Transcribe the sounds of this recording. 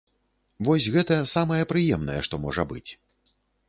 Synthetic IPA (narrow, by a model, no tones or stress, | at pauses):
vɔsʲɣɛt̪ɐsamɐjɛpɾɨjɛmnɐ̰jɛ̰ʂt̪ɔmɔʐɐbɨ̰t͡sʲ